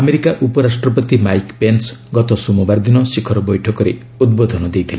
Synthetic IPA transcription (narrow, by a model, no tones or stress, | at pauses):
ameɾikaʔupɔɾasʈrɔp̬ɔt̪imajkpensɡɔt̪ɔsumubaɾd̪inɔsikʰɔɾɔbɔjʈʰɔkɔɾe | ud̪̚bod̪ʱɔnɔd̪ejt̪ʰile